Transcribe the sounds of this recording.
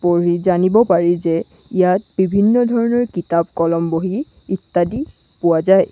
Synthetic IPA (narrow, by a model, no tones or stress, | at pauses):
poɹizanibɔpaɹizɛ | ijat̚b̥ibʱinːɔdʱɔɹɔnɔɹkitab̚kɔlɔmboɦiː | tːadi | pʊwazaj